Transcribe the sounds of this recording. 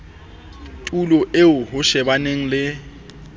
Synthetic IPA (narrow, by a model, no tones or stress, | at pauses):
tʼulɔʔeʊɦʊʃɛbaneŋ̩lɪ